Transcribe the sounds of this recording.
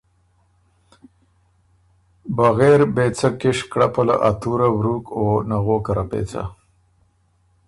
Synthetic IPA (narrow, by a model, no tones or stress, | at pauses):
baɣeɾbet͡sakɪʂkɽapala̰ʔat̪uɾawɾukonaɣoːkaɾapḛːt͡sa̰